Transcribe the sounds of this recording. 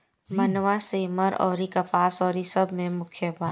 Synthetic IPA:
mɐnʋaseːmɐɾɔːɾikɐpaːsɔːɾisɐbʱmẽmʊkʰjəbaː

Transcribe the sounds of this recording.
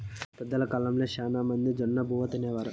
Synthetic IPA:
pɛd̪ːɐlɐkaːlɐmleːʃaːnaːmɐnd̪id͡ʒɐnːɐbʱuːʋɐt̪ɐnɛːʋaːɾu

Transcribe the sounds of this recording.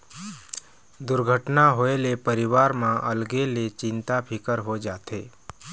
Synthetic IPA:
d̪ʊɾɡʱəʈnaɦoelepəɾɪʋaːɾmãʔəlɡelet͡ʃɪ̃nt̪apʰɪkəɾɦod͡ʒaːt̪ʰḛː

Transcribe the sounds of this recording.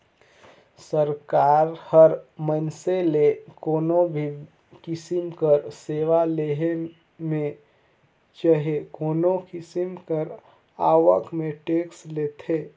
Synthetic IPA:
səɾkaːɾhəɾmənselekoːnobʱi | kɪsimkəɾseːʋaleɦe | mẽ | t͡ʃəɦekoːnokɪsimkəɾ | aːʋəkmeʈeːkslet̪ʰeː

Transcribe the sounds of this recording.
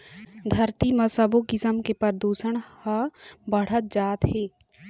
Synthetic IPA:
d̪ʱəɾt̪imɐsəboɡɪsəmkepəɾd̪uːsəɽ̃həbəɽ̤ət̪̚d͡ʒaːt̪ɦeː

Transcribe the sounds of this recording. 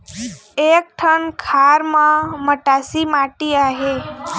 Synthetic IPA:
ek̚ʈʰəɳkʰaɾmãməʈasimaʈiaɦe

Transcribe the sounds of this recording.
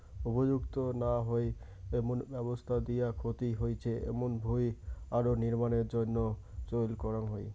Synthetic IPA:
ubod͡ʑuɡt̪onaɦoe | emonbɛβost̪ʰad̪ijakʰot̪iɦojt͡ɕʰeʔḛmonbʱujaɾoniɾmaneɾd͡ʑonːot͡ɕolkɔɾanɦoe

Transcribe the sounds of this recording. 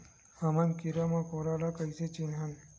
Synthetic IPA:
hamankiɾamãkoɾalakəjset͡ɕinɦan

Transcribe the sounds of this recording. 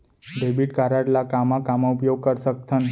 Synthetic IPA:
ɖebiʈkaɾaʈlakamãkamoupjoɡ̚kəɾʃək̚t̪ʰən

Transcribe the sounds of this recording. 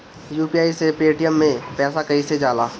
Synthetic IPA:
juːpiaːisepeːʈijəmːẽpɛːsakɐised͡ʒaːlaː

